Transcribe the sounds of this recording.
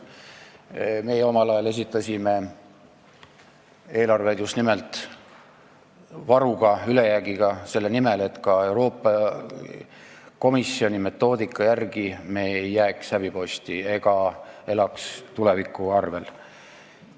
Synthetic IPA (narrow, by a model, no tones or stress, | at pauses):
me̞ːjeo̞mɑlɑjɑle̞s̬ʲit̪ːˑɑsʲime̞ | e̞ːlɑrve̞d̪̥just̪nimelt̪ˑ | vɑɾuɡ̥ɑyle̞jæɡ̥iɡ̥ɑse̞lːenimele̞t̪kɑe̞wɾo̞ːpːˑɑ | ko̞misːio̞nʲime̞t̪ːˑo̞ːd̪ikːˑɑjærɡ̥ime̞ːejːæːkshæb̥ipo̞sʲt̪ie̞ɡ̥ɑe̞lɑkst̪ule̞vikːˑuɑrve̞l